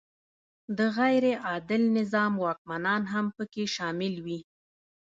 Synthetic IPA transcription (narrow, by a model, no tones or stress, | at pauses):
d̪əɣajɾeʔɑd̪ɪlnɪzɑmwɑk̚manɑnɦampəkeʃɑmɪlwi